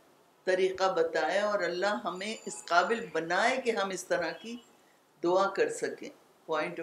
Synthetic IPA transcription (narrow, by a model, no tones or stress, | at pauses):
t̪ɐɾiːqabɐt̪aːeɔːɾɐlːaɦɦɐmẽʔɪsqaːbɪlbɐnaːekeɦɐmɪst̪ɐɾaki | d̪ʊakɐɾsɐkḛ̃ː | pɔ̃ːɪ̃ɳʈ